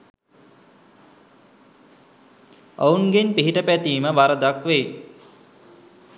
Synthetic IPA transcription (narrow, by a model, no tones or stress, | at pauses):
əunɡenpiɦiʈəpæt̪iːməbaɾəd̪akʋej